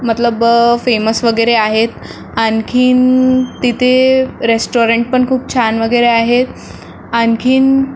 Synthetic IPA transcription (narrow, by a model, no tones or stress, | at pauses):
mət̪ləbfeməsʋəɡəjɾeaɦet̪ | ankʰiːnt̪it̪ʰeɾesʈoɾeɳʈ̚pəɳkʰuːp̚t͡ɕʰanʋəɡəjɾeaɦet̪ | ankʰiːn